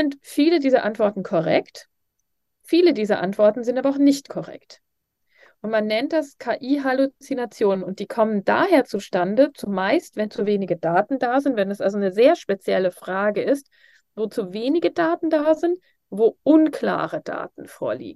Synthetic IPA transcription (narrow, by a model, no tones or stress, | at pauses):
z̥ɪntfiːlədiːzɐʔantv̥ɔɐtn̩kʰɔʁɛ̰kt | fiːlədiːzɐʔa̰ntv̥ɔɐtn̩zɪntaːbɐaaʊxnɪçtkʰɔʁɛ̰kt | ʔʊntmanːɛnt̚d̥askʰaːʔiːɦalut͡sinat͡sjoːnənʊnt̚d̥iːkʰɔmənda̰ːheːɐt͡suʃtandət͡sumaɪstv̥ɛnt͡suveːnɪɡədaːtn̩daːzɪntvɛnɛsʔalzonəzeːɐʃpet͡sjɛləfʁ̥aːɡəɪst | voːt͡suveːnɪɡədaːtn̩daːzɪnt | voːʔʊnkʰl̥a̰ːʁəd̥a̰ːtn̩fo̰ːɐlḭːɡŋ̩